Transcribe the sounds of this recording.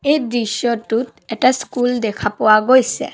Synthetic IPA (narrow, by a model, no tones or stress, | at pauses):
ejdɹisɔtːut | ɛtaskuldɛkʰapɔwaɡojsɛ̰